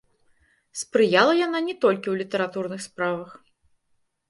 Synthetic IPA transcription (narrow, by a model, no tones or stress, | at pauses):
spɾɨjalˠɐjan̪anʲɛt̪ɔlʲkʲiwlʲit̪ɐɾat̪urnɨxspɾavɐx